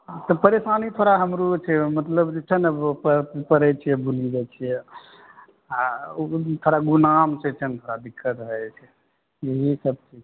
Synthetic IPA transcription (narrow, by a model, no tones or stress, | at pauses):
t̪ɔpəɾesanit̪ʰoɾaɦəmɾut͡ʃʰɛmət̪ləbd͡ʒet͡ʃʰənəpəpəɾɛt͡ʃʰijɛbʱulid͡ʒat͡ʃʰijɛ | a | t̪ʰoɾaɡunamt͡ʃʰɛt͡ʃʰənt̪ʰoɾad̪ikːət̪ɦəɛt͡ʃʰɛ | jeɦisəb̚t͡ʃʰi